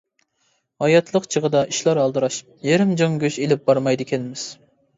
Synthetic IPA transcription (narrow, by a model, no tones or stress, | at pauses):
hɑjɑt̪ʰlˠəqt͡ʃʰəʁəd̪ɑʔiʃlˠɑɾɑlˠd̪ɨɾɑʃ | jeɾɪmd͡ʒoŋɡʲøʃelɪp̚bɑɾmɑjd̪ɨkʲʰɛlmɪz̥